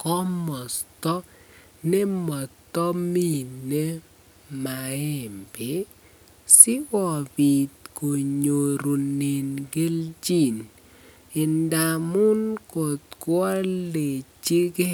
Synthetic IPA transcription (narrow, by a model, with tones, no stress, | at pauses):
kɔ˦mɔ˨stɔ˦ | nɪ˦mɔ˨tːɔ˦mi˦˨ne˦ | ma˨ɪ˦˨mpɪ˨˦ | sɪ˦wɔ˨bi˨t̪ko˨ɲo˨ɾu˨ne˨nɡe˦ld͡ʒi˦˨n | ɪ˨nda˨mʊ˦nkɔ˨t̪kwɔ˦le˨t͡ʃi˦ɡe˦